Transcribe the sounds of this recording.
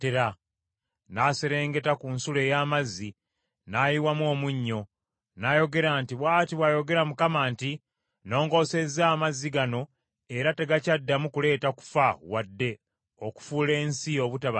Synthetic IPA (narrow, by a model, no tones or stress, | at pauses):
teɾa | nase̞ɾe̞ːŋɡe̞takunsule̞ːjaːmazːi | naːjiwamuo̞ːmuɲːo̞ | najo̞ɡe̞ɾaːntiβwaːtiβwajo̞ɡe̞ɾamukamaːnti | no̞ːŋɡo̞ːse̞zːaːmazːiɡano̞ | e̞ɾateɡacadːamukule̞ːtaku̥fawadːe̞ | oku̥fuːle̞ːnsio̞ːβutaβa